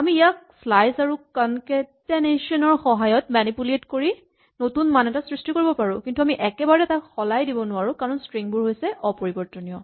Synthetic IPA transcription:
amiːjak | pʰlajsaɹukankɛtɛneʃɔnɔɹxɔɦajɔtmanipuletkoɹi | notunmanɛtasɹistikoɹibɔpaɹʊ̃kintuamiʔɛkɛbaɹɛtakxɔlajdibɔnʊwaɹukaɹɔnstɹiŋbʊɹɦojsɛʔɔpoɹibɔɹtɔnijɔ

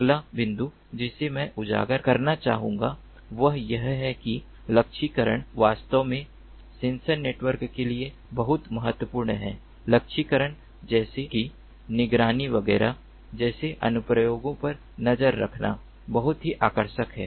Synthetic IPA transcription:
ɐɡlabɪ̃nd̪u | d͡ʒɪsemɛ̃ʔʊd͡ʒa̰ːɡəɾkɐɾnat͡ʃa̰ːɦũːŋɡa | ʋɐɦjɐɦɦɛki | lɐk̚ʃʰikəɾə̰ɽ̃ʋaːst̪əʋmẽ | sẽːnsəɾneːʈwəɾkːelie | bɐɦʊt̪mɐɦət̪wəpuːɾɳɦɛ̰̃ː | lɐkʃʰikəɾəɽ̃ | d͡ʒɛːseki | nɪɡɾaːniʋɐɡɛːɾa | d͡ʒɛːseʔɐ̰nʊpɾəjoːɡõpɐɾ | nɐd͡ʒəɾːɐ̰kʰna̰ | bɐɦʊt̪ɦiʔaːkəɾʃəkɦɛ̰ː

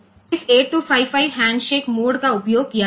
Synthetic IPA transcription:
ɪseːʈʈːupʰaːɪpʰaɪʋɦɛ̃ːɳɖʃeːkmoːɽkaʊpjoːɡ̚kija

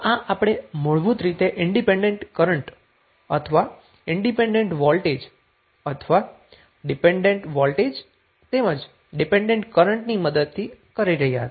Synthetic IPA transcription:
ãʔapɽ̃emoɭbut̪ɾit̪eʔɪɳɖipeɳɖeɳʈkəɾəɳʈ | ə̰t̪ʰəʋa | ɪɳɖipẽɳɖeɳʈʋɔlʈed͡ʒ | ət̪ʰʋa | ɖipeɳɖeɳʈʋɔlʈed͡ʒ | t̪eməd͡ʒ | ɖipẽɳɖẽɳʈkəɾəɳʈniməd̪əd̪̚t̪ʰikəɾiɾəɦijaɦə̰t̪

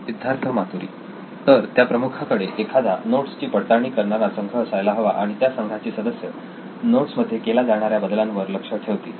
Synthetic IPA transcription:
id̪ʱjaɾt̪ʰəmat̪uɾḭː | t̪əɾt̪japɾəmukʰakəɽeʔekʰad̪anoʈst͡ɕiːpəɽt̪aɳ̃iːkəɾɳaɾasəŋɡʱəːsajlaɦɔʋaʔaɽ̃it̪jasəŋɡʱat͡ɕiːsəd̪əsjə | noʈsməd̪ʱjekelad͡zaɽ̃aɾjabəd̪lãnʋəɾləkʂəʈʰeʋt̪ḭː

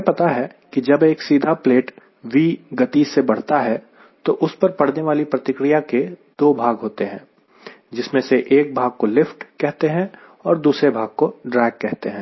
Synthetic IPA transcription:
pɐt̪aɦɛ | kid͡ʒɐbeːksiːd̪ʱapleːʈ | ʋiːɡɐt̪isebɐɽ̤t̪aɦɛ | t̪oʔʊspɐɾpɐɽ̤neʋaːlipɾɐt̪ɪkɾijaked̪̥oːbʱaːɡɦoːt̪eɦɛ̃ː | d͡ʒɪsmẽseʔeːk̚bʱaːɡ̚kolɪfʈkɛɦt̪eɦɛ̃ | ɔːɾd̪uːsɾebʱaːɡ̚koɖɾaːɪɡ̚kːɛɦt̪eɦɛ̃ː

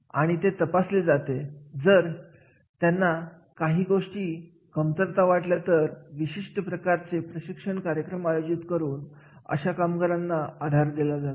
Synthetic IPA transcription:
aɽ̃it̪et̪əpasled͡zat̪ed͡zəɾ | t̪janːa | kaɦiːɡoʂʈiː | kəmt̪əɾt̪aʋaʈljat̪əɾʋiɕiʂʈəpɾəkaɾt͡sepɾəɕikʂəɳkaɾjəkɾəmajod͡ʑit̪kəɾuːn | ə̰ɕakamɡəɾanːaad̪ʱaɾd̪elad͡zat̪

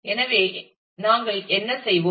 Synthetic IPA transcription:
ɛnɐʋeː | naːŋɡɐɭɛnːɐsɛjʋo

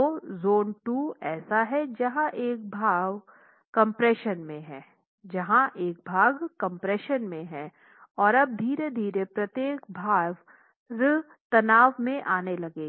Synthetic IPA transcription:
ozoːnʈuːɛːsaɦɛd͡ʒɐɦãʔeːk̚bʱaːʋ | kɐ̃mpɾɛːʃənmẽɦɛː | d͡ʒɐɦãʔeːk̚bʱaːɡkɐ̃mpɾɛːʃənmẽɦɛː | ɔːɾɐb̚d̪ʱiːɾed̪ʱiːɾepɾɐt̪jeːk̚bʱaːʋ | ɾ | t̪ɐnaːʋmẽʔaːnelɐɡeːɡ

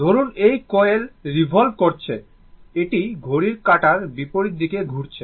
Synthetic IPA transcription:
d̪ʱoɾunejkɔelɾibʱolbkoɾt͡ɕʰe | eʈiɡʱoɾiɾkaʈaɾbipoɾiɾd̪ikeɡʱuɾt͡ɕʰe

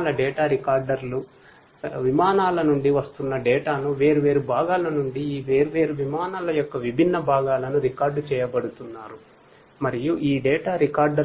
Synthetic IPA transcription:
lɐɖɛːʈaːɾikaːɾɖɐɾlu | ʋimaːnaːlɐnuɳɖiʋɐst̪unːɐɖɛːʈaːnuʋe̞ːɾuʋe̞ːɾubʱaːɡaːlɐnuɳɖiːʋeːɾuʋe̞ːɾuʋimaːnaːlɐjɔkːɐʋibʱinːɐbʱaːɡaːlɐnuɾikaːɾɖt͡ʃɛːjɐbɐɽut̪unːaːɾu | mɐɾijuʔiːɖɛːʈaːɾikaːɾɖɐ

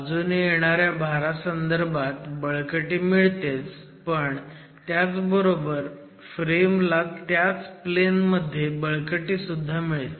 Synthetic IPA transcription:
d͡zunijeɽ̃aɾjabʱaɾasənd̪əɾbʱat̪bəɭkəʈiːmiɭt̪et͡s | pəɳ | t̪jat͡sbəɾobəɾ | fɾemlat̪jat͡splenməd̪ʱːjebəɭkəʈisud̪ʱːamiɭet̪

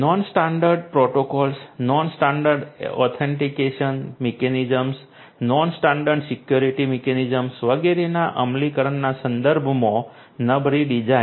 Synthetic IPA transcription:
nɔnsʈaɳɖəɾɖpɾoʈokɔlsnɔnsʈaɳɖəɾɖɔ̰t̪ʰeɳʈikeʃənmekenid͡ʒəms | nɔnsʈaɳɖəɾɖsikjoɾiʈimekenid͡ʒəmsʋəɡeɾenaʔəmlikəɾəɳːasə̃nd̪əɾbʱmõ | nəbʱɾiɖid͡ʒa

